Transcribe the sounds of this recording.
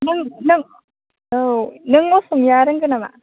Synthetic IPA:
nɯŋnɯŋ | onɯŋosuŋjaːɾɯŋɡɯnɐma̰

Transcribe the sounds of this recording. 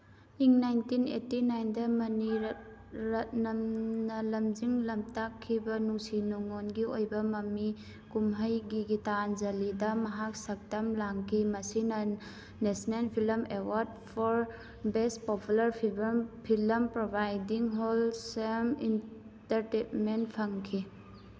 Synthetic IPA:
iŋnajntinḛtinajndɐmɐniɾ | ɾɐt̚nɐmnɐlɐmd͡ʒiŋlɐmtakʰːibɐnuŋsinuŋonɡiojbɐmɐmi | kumɦɐjɡiɡitanzɐlidɐmɐɦak̚sɐk̚tɐmlaŋkʰimɐsinɐ | nesnelpʰilɐmewaɾd̚ | pʰɔɾ | bes̚populɐɾpʰipʰilɐmpɾobajdiŋɦolsemḭn | tɐɾtenmentpʰɐŋkʰi

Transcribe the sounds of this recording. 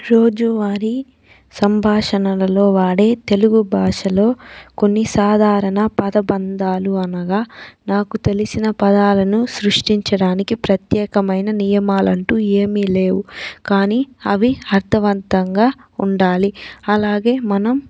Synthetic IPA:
ɾo̞ːd͡ʒuʋaːɾi | sɐmbʱaːʂɐnɐlɐlo̞ːʋaːɽe̞ːt̪e̞luɡubʱaːʂɐlo̞ːko̞nːisaːd̪ʱaːɾɐnɐpɐd̪ɐbɐnd̪aːluɐnɐɡaːnaːkut̪e̞lisinɐpɐd̪aːlɐnusɾuʂʈiɲt͡ʃɐɽaːnikipɾɐt̪jɛːkɐmɐjnɐnijɐmaːlɐɳʈuːe̞ːmiːleːwukaːniːɐʋiɐɾt̪ʰɐʋɐnt̪ɐŋɡaːuɳɖaːliɐlaːɡe̞ːmɐnɐm

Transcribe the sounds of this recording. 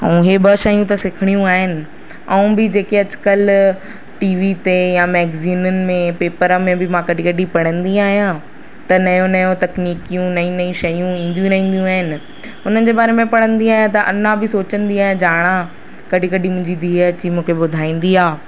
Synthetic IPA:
ɐ̰ũɦebɐʃɐjũt̪ɐsɪkʰɪɽ̃ijũaːɦɪnɪ̆ | ɐ̃ũbɪd͡ʑeːkeɐt͡ɕɪ̥kəl | ʈiːʋit̪ejãmɛːɡziːnʊnɪ̆mẽpeːpəɾmẽbɪmãkɐɖʱĩkɐɖʱipɐɽ̃ə̃nd̪iaːɦijã | t̪ɐnɐjõnɐjõt̪ɐkniːkijũnɐĩnɐĩʃɐjũĩːn̆d̪jũɾɐɦĩːn̆d̪ijũaːɦɪnɪ̆ | ɦʊnənd͡ʑeːbaːɾemẽpɐɽ̃ə̃nd̪iaːɦijãt̪ɐʔɐ̰nãbɪsoːt͡ɕə̃nd̪iaːɦijãd͡ʑaːɽ̃ã | kɐɖʱikɐɖʱimʊ̃ɦɪ̃ɲd͡ʑid̪ʱiːɐt͡ɕimũːkʰebʊd̪ʱaːĩːn̆d̪iaː

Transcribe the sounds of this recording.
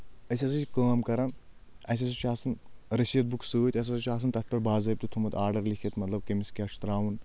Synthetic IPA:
ɐsʲɐsɐt͡ʃʲkəːmkɐɾɐn | ɐs̬ɐsut͡ʃʰaːsɐnɾɐsijɐt̪̚buksɨːt̪ʲɐs̬ɐsut͡ʃʲaːsɐnt̪ɐt̪̚ʰpɐɾbaːzɐːp̚t̪ut̪ʰumɐt̪aːɾɖɐɾlikʰet̪mɐt̪lɐb̚kɐmiskʲaːt͡ʃʰu̥t̪ɾaːwun

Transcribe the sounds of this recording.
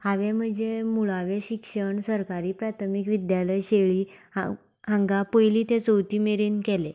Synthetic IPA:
haʋem̤əd͡zemuɭaʋẽɕikʂəɳsəɾkaɾiːpɾat̪ʰəmikʋid̪jaləjɕeɭiːa | ɦãŋɡapəjliːt̪ẽt͡səwt̪iːmeɾinkele

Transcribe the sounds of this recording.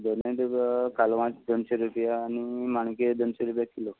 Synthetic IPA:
d̪oneʈkʰaloʋãt͡sd̪ənɕeɾupjaːnimaɽ̃ked̪ənɕeɾupjakʰilo

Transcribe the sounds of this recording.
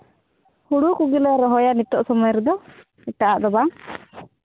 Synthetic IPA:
huɽukuɡilɔɾɔɦɔjanit̪ɔʔsɔmɔjɔɾɛd̪ɔ | iʈaʔaʔd̪ɔbaŋ

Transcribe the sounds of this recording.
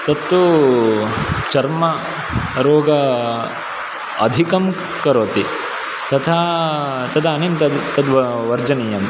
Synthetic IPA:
t̪ɐt̪ːu | t͡ʃɐɾmɐ | ɾoːɡɐ | ɐ̰d̪ʱikɐm | kɐɾoːt̪i | t̪ɐt̪ʰa | t̪ɐd̪aːnemt̪ɐd̪t̪ɐd̪ʋɐʋɐɾd͡ʒɐnijɐm

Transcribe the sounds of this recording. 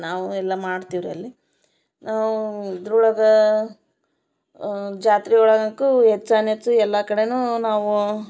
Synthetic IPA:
naːʋuɛlːɐmaːɽt̪iʋɾuɐ̰lːi | naːʋuid̪ɾuɭɐɡɐ | d͡ʒaːt̪ɾiuɭɐɡɐkːuɦet͡ʃːaːnet͡ʃːuɛlːɐkɐɽe̞nuːnaːʋu

